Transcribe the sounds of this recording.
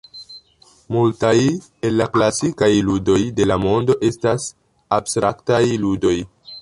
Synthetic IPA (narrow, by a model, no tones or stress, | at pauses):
multaj | elːaklasikajludo̞jde̞lamo̞ndo̞ʔe̞stas | abstɾaktajludo̞j